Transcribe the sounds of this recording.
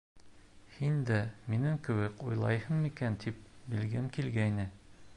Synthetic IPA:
hind̪æminɘŋkɘ̆wɘkujlˠɑjhɤnmikænt̪ʰip̚bɘ̆lɡɘmkilɡæjnɘ

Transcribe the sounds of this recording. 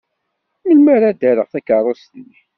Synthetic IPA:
məlmæɾæd̪æɾəʁθækərˤosnːi

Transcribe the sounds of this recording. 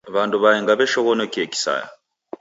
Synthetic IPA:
βaːnduβajeːŋɡaβeʃoɣonocieci̥sa̰ja̰

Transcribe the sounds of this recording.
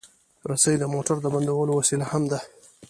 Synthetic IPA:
ɾasajd̪əmoʈaɾd̪əband̪awəlowasilahamd̪a

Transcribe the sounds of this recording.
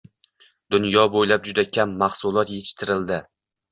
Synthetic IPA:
d̪ʊnjɒbojlap̚d͡ʒʊd̪akʲʰamːaχsʊlˠɒt̪je̞t̪ʰɪ̥ʃt̪ʰɪɾɪld̪ɪ

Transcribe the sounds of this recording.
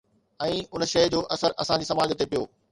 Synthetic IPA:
ɛ̃ːʊnʃɐjd͡ʑoːʔɐsəɾɐsãd͡ʑiːsɐmaːd͡ʑət̪epijoː

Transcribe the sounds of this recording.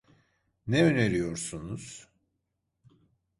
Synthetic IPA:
nɛøneɾijo̞ɾsunuz̥

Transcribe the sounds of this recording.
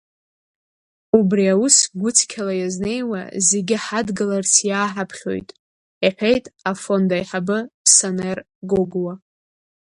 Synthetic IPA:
ubriawusɡʷʊt͡sʰkʲʰalajazne̞jwa̰zeɡʲɪħadɡalarsjaːħapʰχʲo̞̰jtʼ | iħʷᶣe̞jtʼafo̞ndajħabɨsaner | ɡoɡwa

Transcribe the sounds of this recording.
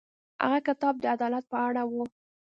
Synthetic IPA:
ha̰ɣakɪt̪ɑb̚d̪əad̪ɑlat̪̚pəaɽawu

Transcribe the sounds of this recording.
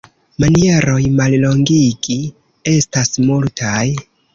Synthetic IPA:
manie̞ɾo̞jmallo̞ŋɡiɡi | e̞stasmultʰaj

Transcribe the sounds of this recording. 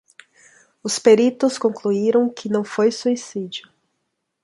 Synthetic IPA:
ʊspeɾit̪ʊskõkluiɾɐ̃w̃kʰɪnɐ̃w̃fojsuisid͡ʒiʊ

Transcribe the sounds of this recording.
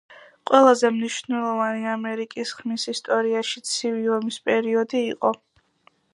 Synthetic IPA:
qʼwɛlˠazɛmniʃvnɛlˠɔvaniamɛɾikʼisχmisist̪ʼɔɾiaʃit̪sʰiviɔmispʼɛɾiɔd̪iːqʼɔ

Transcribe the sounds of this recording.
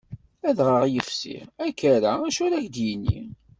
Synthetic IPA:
æðʁəʁjəfsḭʁækːæɾææʃʊɾæçd̪jənːḭ

